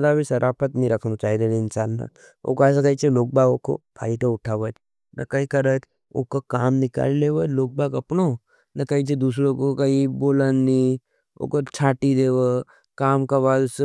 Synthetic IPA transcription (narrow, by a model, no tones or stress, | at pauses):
d̪abʱisɐɾʔaːpʰət̪nɐɦĩɾɐkʰnut͡ʃaːɦid̪elɪnsaːnːa̰ | o̰ːkas̬ekɐit͡ʃʰeloːk̚baːɡoko̰bʱa̰ːit̪oʊʈʰaːʋət͡ʃ | nʔɐ̰kɐikɐɾət̪ | o̰ːkokaːmnɪka̰ːlleʋəloːk̚baːɡɐpno | nɐkɐit͡ʃʰed̪uːsɾõkokɐiboːlani | o̰ːkot͡ʃʰaːʈid̪eːʋə | kaːmkaβaːd̪ʊs